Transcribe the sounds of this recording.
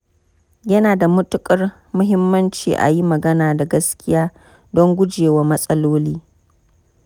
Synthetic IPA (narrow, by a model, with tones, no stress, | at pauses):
jɐ˦naː˨da˨mʊ˦tʊ˦kʼɐ˦r | mʊ˦ɦɪ˦mːɐ˦nt͡ʃḭː˨ʔa̰˨ji˦mɐ˨ɡɐ˦naː˨da˨ɡɐ˦skʲɪ˦jaː˦ | dɔ˦ŋɡʷʊ˦d͡ʒeː˨wa˦mɐ˦sʼɐ˦loː˦liː˦